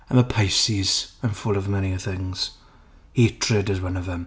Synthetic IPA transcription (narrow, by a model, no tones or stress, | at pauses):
ə̃məpʰaɪsiz̥ə̃nfʊlˠəvmɛniəθɪ̃ŋz̥ | heɪtʰɹədɨzwʌ̃nʌvðə̃m